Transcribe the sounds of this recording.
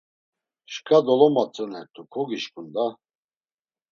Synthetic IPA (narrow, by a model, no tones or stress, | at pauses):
ʃkʰʼad̪ɔlɔmat͡sʼənɛɾt̪ʰukʰɔɡiʃkʼund̪a